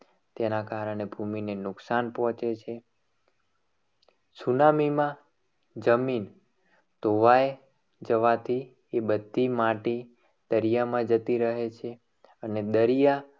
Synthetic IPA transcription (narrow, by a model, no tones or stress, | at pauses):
t̪enakaɾəɳ̃ebʱuminenʊksanpɦɔ̃t͡ʃet͡ʃʰe | sunamimã | d͡ʒəmin | t̪oʋaje | d͡ʒəʋat̪ʰi | ebəd̪ʱːimãʈi | d̪̥əɾijamãd͡ʒət̪iɾəɦet͡ʃʰe | əned̪əɾija